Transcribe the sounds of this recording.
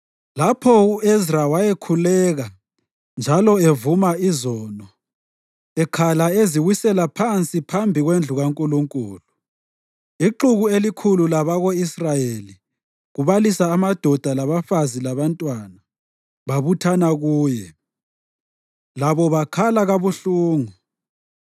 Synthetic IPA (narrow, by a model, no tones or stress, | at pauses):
lapʰɔuʔezrawajekʰulɛːɣa | nd͡ʒʱalɔevumaizɔːnɔ | ɛkʰalaeziwisɛlapʰant͡sʼipʰambʱiɣwend͡ɮʱuɣaŋkʼuluŋkʼṵːlu | iǃuɣuelikʰululaβaɣoisrajeli | ɣuβalisaːmad̥ʱɔd̥ʱalaβafazilaβantʼwana | βaβutʰanaɣuːjɛ | laβɔβakʰalaɣaβuɬuːŋu